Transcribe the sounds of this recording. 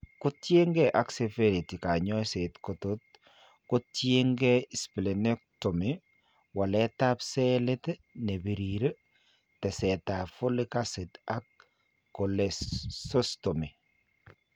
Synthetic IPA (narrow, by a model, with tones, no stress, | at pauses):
kʊ˦tje˦ŋɡɛʔa˨ksɛ˨feɾi˨ti˨ka˨ɲɔ˦setkɔtot̚ | kʊtjeŋɡɛisple˨ne˦k̚tɔ˨mi | wa˨lɛ˦ta˦psɛle˦tɛne˨bi˨ɾiɾe˦ | tɛ˨sɛtafʊ˦lɪ˦kasetakː | ɔlɛssɔstɔmi˨